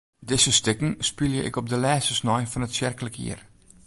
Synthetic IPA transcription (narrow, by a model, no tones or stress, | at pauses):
dɪsəstɪkŋ̩spiljəʔɪ̰kɔp̚dəlɛːstəsnɔjfɔnətsjɪrkələkʰḭər